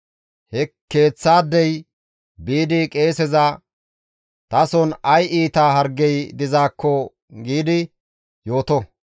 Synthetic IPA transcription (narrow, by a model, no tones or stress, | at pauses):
hɛkːe̞ːt͡sːaːd̪ːɛj | biːd̪ɪkʼe̞ːsɛzɐ | t̪ɐsɔnɐjiːt̪aːɦɐɾɡɛjd̪ɪzaːkːɔ | ɡiːd̪ɪ | jo̞ːt̪ɔ